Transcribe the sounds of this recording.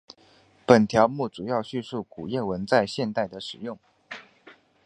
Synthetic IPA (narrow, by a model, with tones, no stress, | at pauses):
pə˨˩nt̪ʰjɑ˧˥ʊmu˥˩t͡su˨˩jɑ˥˧ʊɕy˥˧su˥˩ku˨˩jɛ˥˩wə˧˥nt͡sa˥˧ɪɕjɛ˥˧nt̪a˥˩ɪd̪ə˩ʂɻ̩˨˩jʊ˥˩ŋ